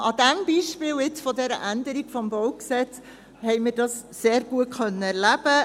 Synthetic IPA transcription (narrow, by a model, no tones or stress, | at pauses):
ʔɑdæmb̥iːʃpɪːlɪt͡sfɔdɛɾə̰ʔænd̪əɾiɡ̥fɔmbɔwksɛt͡s | hɛɪmiːɾdɑsːeːɾɡ̥uət̚χœnːəæɾlæb̥ə